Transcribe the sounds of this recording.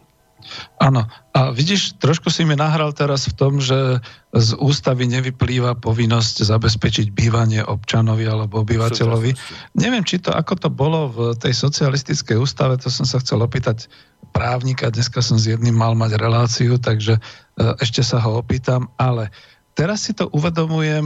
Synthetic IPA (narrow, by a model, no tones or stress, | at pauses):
ʔanɔaʋiɟiʃt̪ɾɔʃkusiminaɦɾalt̪ɛɾasft̪ɔmʒɛzuːst̪aʋiɲɛʋipliːʋapɔʋinːɔsczabɛs̬pɛt͡ʃiɟbiːʋaɲɪɛʔɔpt͡ʃanɔʋialɛbɔɔbiʋacɛʎɔʋiɲɛʋɪɛmt͡ʃit̪ɔʔa̰kɔt̪ɔbɔlɔvt̪ɛjsɔt͡sialist̪it͡skɛjuːst̪aʋɛt̪ɔsɔmsaxt͡sɛlɔpiːt̪ac | pɾaːʊɲikad̪ɲɛskasɔmzjɛd̪nimːalmaɟɾɛlaːt͡siut̪̬aɡʒɛ | ʔɛʃcɛsaɦɔɔpiːt̪amalɛ | t̪ɛɾasːit̪ɔʔuʋɛd̪ɔmujɛm